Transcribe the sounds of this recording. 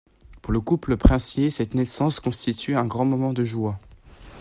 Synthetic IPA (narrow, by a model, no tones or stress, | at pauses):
puʁləkupləpχɛ̃sjesɛt̪nɛsɑ̃skɔ̃st̪it̪ʰyɛ̃ɡʁɑ̃mɔmɑ̃d̪əʒwa